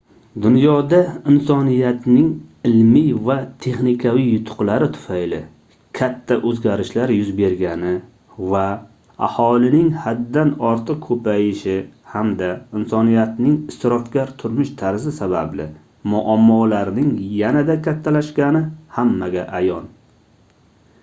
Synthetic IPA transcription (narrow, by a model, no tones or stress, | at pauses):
d̪ʊnjɒd̪aɪnsɒnijat̪nɪŋɪlmijvat̪ʰe̞χnɪkʲʰavijːʊt̪ʰʊ̥qlaɾɪt̪ʰʊ̥fajlɪ | kʲʰat̪ʰːaʔɵzɡʲaɾɪʃlaɾjʊzbe̞ɾɡʲanɪ | va | a̰hɒlɪnɪŋhad̪ːanɒɾt̪ʰɨq̚kʰɵpʰajɪʃɪhamd̪aɪnsɒnijat̪nɪŋɪst̪ɪɾɒfkʲaɾt̪ʰʊɾmɪʃt̪ʰaɾzɪsaba̰blɪ | mʊʔamːɒlaɾnɪŋjanad̪akʲʰat̪ʰːalaʃkʲanɪhamːaɡʲaʔajɒn